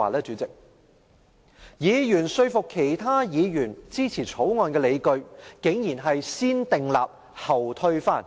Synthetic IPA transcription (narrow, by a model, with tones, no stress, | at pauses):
aː˨˩lɛː˥t͡syː˨˥t͡sɪ˨k̚ | jiː˨˧jyː˨˩nsɵ˧ɥfʊ˨kʰːe˨˩jt̪ʰaː˥jiː˨˧jyː˨˩nt͡siː˥t͡sʰiː˨˩t͡sʰo˨˥wŋɔː˧nkɛː˧le˨˧jkɵ˧ɥkɪ˨˥ŋjiː˨˩nɦɐ˨jsiː˥nt̪ɪ˨ŋla̰ː˨p̚ | hɐ˨˩wt̪ʰɵ˧ɥfaː˥˩n